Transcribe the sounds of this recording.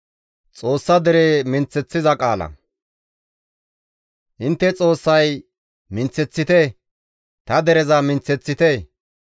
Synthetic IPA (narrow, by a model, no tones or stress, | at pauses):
t͡sʼo̞ːsːɐd̪ɛɾemɪnt͡sːɛt͡sːɪzɐkʼaːlɐ̰ | ʔɪnt̪ːɛt͡sʼo̞ːsːɐj | mɪnt͡sːɛt͡sːɪt̪ɛ | t̪ɐd̪ɛɾɛzɐmɪnt͡sːɛt͡sːɪt̪e